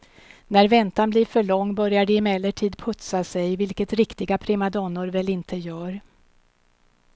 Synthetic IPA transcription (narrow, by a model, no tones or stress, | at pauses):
næɾvɛnt̪anbliːɾfœɭɔŋːbœɾjaɖɛɪmɛlːəʈʰiːd̪pʰɵt̪sasɛjvɪlkət̪ɾɪkt̪ɪɡapʰɾɛmad̪ɔnːʊɾvɛlɪnt̪ʰəjœːɾ